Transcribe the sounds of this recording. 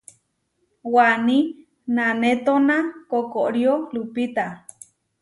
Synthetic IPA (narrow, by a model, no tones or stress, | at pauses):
wani | nanet̪onakokoʔɾjolupit̪a